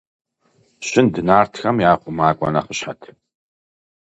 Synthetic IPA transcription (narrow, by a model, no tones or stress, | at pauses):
ɕɪndɨnaːrtʰxɐmjaːχʷʊmaːkʷʼɔ̰nɐχəɕħatʰ